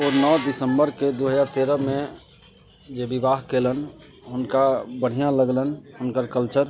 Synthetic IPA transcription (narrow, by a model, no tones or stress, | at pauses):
oːɾnɔd̪ɪsəmbəɾked̪oɦəd͡ʒaːɾt̪eːɾəmẽ | d͡ʒebibaɦkelən | ɦʊnkabəɽ̤ijãləɡlənɦʊnkəɾkəlt͡ʃəɾ